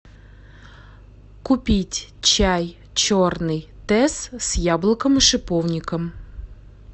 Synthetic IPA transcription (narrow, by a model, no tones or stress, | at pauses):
kʊpʲitʲt͡ɕaj | t͡ɕornɨjt̪ɛssʲjablˠəkəmɨʂɨpownʲɪkəm